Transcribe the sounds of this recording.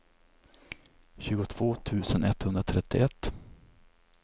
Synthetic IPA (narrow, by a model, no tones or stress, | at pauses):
ɕʉ̟ːɡʊt̪ʰv̥oːt̪ʰʉ̟ːsənɛt̪hɵnd̪ɾat̪ʰɾɛt̪ːɪ̰ɛt̪ː